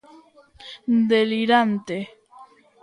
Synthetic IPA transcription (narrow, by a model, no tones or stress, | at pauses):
d̪eliɾant̪e